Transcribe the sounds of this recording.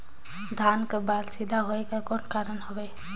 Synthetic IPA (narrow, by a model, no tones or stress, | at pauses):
d̪ʱankebalsid̪ʱaɦoekakonkaɾənɦɔbe